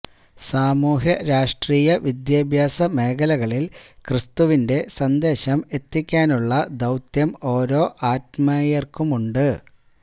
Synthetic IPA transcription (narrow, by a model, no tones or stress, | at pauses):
saːmuːɦjɐɾaːʂʈriːjɐʋid̪jaːbʱjaːsɐme̞ːkɐlɐɣɐɭilkrɨst̪uʋinde̞sɐnd̪e̞ːɕɐme̞t̪ːikʲːaːnuɭːɐd̪ɐwt̪jɐmo̞ːɾo̞ːʔaːt̚mɐjɐrkumuɳɖɨ